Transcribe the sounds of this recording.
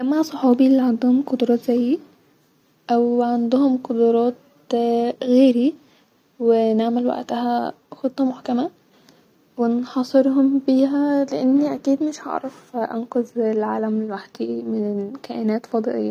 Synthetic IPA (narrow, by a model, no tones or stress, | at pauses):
ʔæmːasˤoħɑːbiʔlːiʕand̪ʊhʊmqod̪ɾˤɑːt̪zæjːi | ʔæwʕand̪ʊhomqod̪oɾˤɑːt̪ | ɣeːɾi | weneʕmelwa̰ʔt̪ahæ | xot̪ˤːɑmʊħkæmæ | wenħɑsˤeɾhombiːɦæleʔenːiʔækiːd̪mɪʃhɑ̰ʕɾˤɑfʔɑnqoðelʕaːlæmelwaħd̪̥imɪnkæːʔenæːt̪fɑd̪ˤɨʔḛjːæ